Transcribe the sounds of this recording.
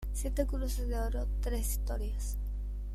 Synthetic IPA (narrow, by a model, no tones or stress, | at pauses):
sjet̪ekuɾusezd̪eoɾot̪ɾesist̪oɾjas